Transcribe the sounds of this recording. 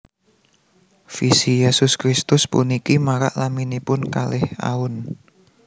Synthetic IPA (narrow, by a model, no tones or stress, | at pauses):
fisijesʊskɾist̪ʊspṵnikimaɾa̰ʔlaminipʊnkalɪha̰ʊn